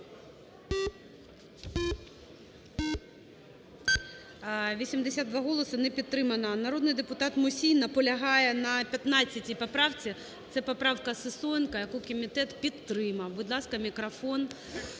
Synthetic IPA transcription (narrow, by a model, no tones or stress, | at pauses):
ʋʲisʲimd̪esʲad̪d̪ʋɑɦɔlˠɔsɪnɛpʲid̪̚t̪ɾɪmɐnɐnɐɾɔd̪nɪjd̪epʊt̪ɑt̪mʊsʲijnɐpɔlʲɐɦɑjɛnɐpʲjɐt̪nɑt͡sʲːɐtʲipɔpɾɑwt͡sʲi | t̪sɛpɔpɾɑwkɐsɪsɔnkɐjɐkukɔmʲit̪ɛt̪pʲid̪ɾɪmɐwbʊd̪lˠɑskɐmʲikɾɐfɔn